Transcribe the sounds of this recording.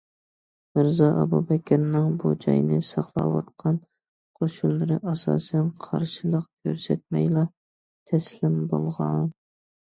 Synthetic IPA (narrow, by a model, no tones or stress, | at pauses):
mɨɾzɑʔɑbubɛkʲʰɪɾnɪŋbud͡ʒɑ̰jnɨsɑχlˠɑ̰wɑt̪qʰɑn | qʰoʃulˠːɨɾɨʔɑsɑ̰ːsɛnqʰɑ̰ɾʃɨlˠəq̚kʲʰøɾsɛt̪̚mɛjlɑ | t̪ʰɛslɪmbolˠʁɑn